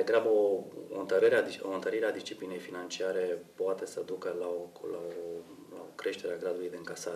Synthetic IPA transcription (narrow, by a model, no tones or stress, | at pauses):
d̪eɡɾabəoo̰ɨnt̪əɾəɾeaioɨnt̪əɾiɾead̪ist͡ʃipline̞jfinant͡ʃiaɾe̞poat̪e̞səd̪ukəlaolao | la̰okɾe̞ʃt̪e̞ɾeaɡɾad̪ulujd̪e̞ɨŋkasaɾ